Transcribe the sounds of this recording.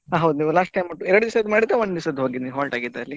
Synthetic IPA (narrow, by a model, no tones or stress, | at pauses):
ɦaːɦɐwd̪uniːʋulaːsʈ̚ʈːɐjmɐʈːuɛɾɐɽud͡ʒ̪isɐd̪ːumaːɽit̪ːeʋɐɳd̪isɐd̪uɦoɡid̪niːʋɦaːlʈaːɡid̪ːeɐlːi